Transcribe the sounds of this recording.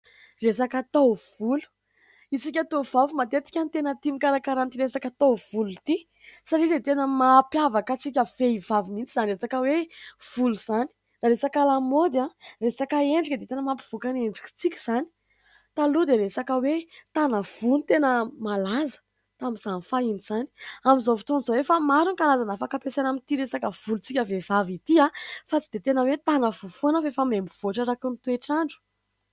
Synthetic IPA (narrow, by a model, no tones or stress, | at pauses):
resakat̪ov̥ulu̥ | isikʲat̪ov̥avumat̪et̪i̥kʲanit̪enət̪imikaɾakaɾant̪iɾesakat̪ov̥ulut̪i | saʈ͡ʂizdet̪enəmaːpjavakat͡sikʲəfeivavimint͡sizaniresakəwev̥uluz̥ani̥ | raɾesakalamod̪aresakəeɳɖ͡ʐakəd̪et̪enəmapi̥v̥ukaneɳɖ͡ʐiki̥t͡sikʲi̥z̥ani̥ | t̪alud̪eɾesakəwet̪anəv̥unit̪enəmalazə̥ | t̪amiz̥anifainiz̥ani̥amizovit̪onzowefamaɾunikalazanəfakapesanamint̪iɾesakəv̥ulut͡sikʲəvevavit̪iafat͡sid̪̥et̪enəwet̪anəvufonəafefamemiv̥oʈ͡ʂaɾakunit̪ueʈ͡ʂaɳɖ͡ʐu̥